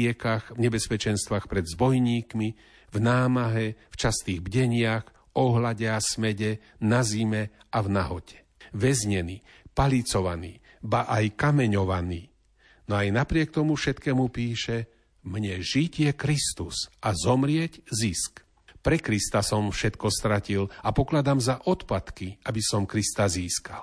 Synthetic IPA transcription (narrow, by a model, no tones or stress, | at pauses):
ɛkaɣvɲɛbɛspɛt͡ʃɛnst̪ʋaːxpɾɛd̪zbɔjɲiːkmi | vnaːmaɦɛft͡ʃast̪iːɣbɟɛɲɪax | ɔɦlaɟɛasmɛɟɛ | nazimɛavnaɦɔcʰɛ̥ | ʋɛzɲɛniː | palit͡sɔʋaniː | baʔajkamɛɲɔʋaniː | nɔajnapɾɪɛk̚t̪ɔmufʃɛt̪kɛːmupiːʃɛ | mɲɛʒicjɛkɾist̪usazɔmɾɪɛɟzisk | pɾɛkɾist̪asɔmfʃɛt̪kɔst̪ɾacilapɔklad̪amzaʔɔt̪pat̪kiʔabisɔmkɾist̪aziːskal